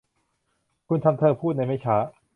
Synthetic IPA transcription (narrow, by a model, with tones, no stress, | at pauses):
kʰu˧nt̪ʰa˧mt̪ʰɤː˧pʰuː˥˩na˧jma˦˥˩t͡ɕʰaː˦˥